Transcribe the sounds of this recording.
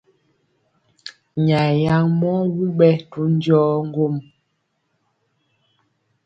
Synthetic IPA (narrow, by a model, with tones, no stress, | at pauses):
ɲa˨ja˦ŋmɔ˦wu˦ɓɛ˦tu˨˦n˦d͡ʒɔː˦ŋ̩˦ɡo˦˨m